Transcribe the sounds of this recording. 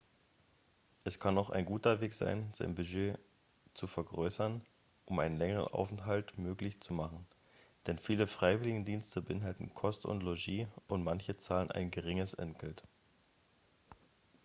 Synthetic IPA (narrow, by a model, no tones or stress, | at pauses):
ʔɛskʰanaʊxa̰ɪnɡuːtɐveːkz̥a̰ɪnz̥aɪnbyʒeː | t͡sufɛɐɡʁøːsɐn | ʔʊmʔaɪnənlɛŋəʁə̰nʔa̰ʊfɛntɦaltmøːklɪçt͡sumaχn̩ | d̥ɛnfiːləfʁ̥aɪvɪlɪɡŋ̩diːnstʰəbəʔɪnɦaltn̩kʰɔstʊ̰ntloʒiːʔʊntmançət͡saːlənʔa̰ɪnɡəʁɪŋəsʔɛ̰ntɡ̥ɛlt